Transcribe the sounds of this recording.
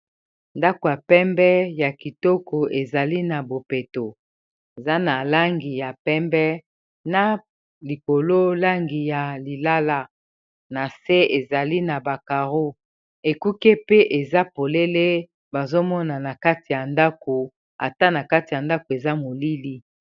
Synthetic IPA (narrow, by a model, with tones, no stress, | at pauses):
nda˦ko˨ja˨pɛ˦mbɛ˦ja˨ki˨tɔ˦ko˨e˨za˨li˦na˨bo˨pe˨to˨ | e˨za˦na˨la˦ŋɡi˨ja˨pɛ˦mbɛ˦ | na˨ | li˨ko˨lo˦la˦ŋɡi˨ja˨li˨la˦la˦ | na˨se˦e˨za˨li˦na˨ba˨ka˨ʁo˦ | e˨ku˦ke˦pe˦ʔe˨za˦po˨le˦le˦ | ba˨zo˦mɔ˦na˨na˨ka˦ti˨ja˨nda˦ko˨ | a̰˨ta˦na˨ka˦ti˨ja˨nda˦ko˨e˨za˦mo˨li˦li˦